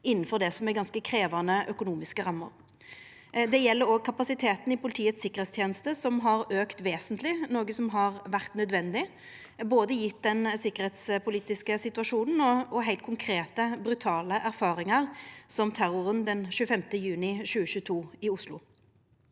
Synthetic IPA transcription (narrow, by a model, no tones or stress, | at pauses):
ɪnːn̩fɔʁd̪ɛsɔmɛɡɑnskəkʰɾeːʋɑnəʔœkʊnuːmɪskəʁɑmːə̰ɾ | d̪ɛjɛlːəɾɔɡ̚kʰɑpɑsɪt̪ʰeːt̪n̩ɪpʊlɪt̪ʰiːət̪sɪkːəʁhɛt̪st̪ʰjɛːnəst̪əsɔmɦɑʁøːkt̪ʋeːsənt̪lɪnoːɡəsɔmɦɑʁʋæʁt̪nœd̪ʋɛnd̪ɪ | boːd̪əjɪt̪̚d̪ɛnsɪkːəʁhɛːt̪spʰʊliːt̪ɪskəsɪt̪ʉɑʂuːnn̩ɔɔɦæɪlt̪̚kʰʊŋkʰɾeːt̪əbɾʉt̪ʰɑːləʔæɾfɑːʁɪŋɑʁsɔmt̪ʰæɾʊʁənd̪ɛnʃʉːəfɛmt̪əjʉːnɪʃʉːəɕʉːət̪ʰuːɪʊslʊ̰